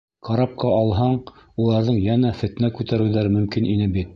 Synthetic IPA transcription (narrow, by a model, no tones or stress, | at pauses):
qɑɾɑp̚qɑɑlˠɦɑɴulˠɑɾðɤɴjænæfɘ̆t̪nækʉt̪æɾɘ̆wðæɾɘmɵ̆mkinʔinɘbit̪̚